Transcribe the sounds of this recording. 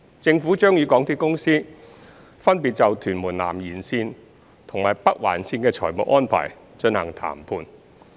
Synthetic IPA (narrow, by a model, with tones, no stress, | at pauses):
t͡sɪ˧ŋfuː˨˥t͡ʃœː˥ŋjyː˨˧kɔː˨˥ŋt̪ʰiː˥kʊ˥ŋsiː˥ | fɐ˥npi˨t̚t͡sɐ˨wt̪ʰyː˨˩nmuː˨˩nla̰ː˨˩mjiː˨˩nsiː˧n | t̪ʰʊ˨ŋmaː˨˩jpɐ˥k̚wa̰ː˨˩nsiː˧nkɛː˧t͡ʃʰɔ̰ː˨˩jmʊ̰˨k̚ʔɔː˥npʰa̰ː˨˩j | t͡ʃɵ˧nhɐ̰˨˩ŋt̪ʰa̰ː˨˩mpʰuː˧n